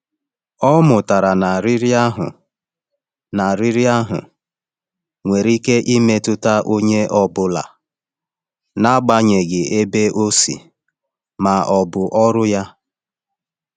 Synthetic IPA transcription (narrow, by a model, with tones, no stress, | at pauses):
ɔ˦mʊ˨ta˨ɾa˨na˨ɾɪ˦ɾi˦a˦ɦʊ̰˨ | na˨ɾi˦ɾi˦a˦ɦʊ̰˨ | ŋʷe˨ɾi˦ke˦ʔi˦me˦tʊ˦ta˦ʔo˦ɲe˦ʔɔ˦bʊ˦la̰˨ | na˦ɡ͡ba˦ɲe˨ɡɪ˨ʔe˦be˦ʔo˦sḭ˨ | ma˨ɔ˨bʊ˨ʔɔ˦ɾʊ˦ja˦